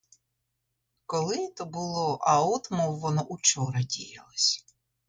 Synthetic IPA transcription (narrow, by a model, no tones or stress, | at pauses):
kɔlˠɪt̪ɔbʊlˠɔʔɐɔt̪mɔwːɔnɔʔut͡ʃɔɾɐdʲijɐlˠɔsʲ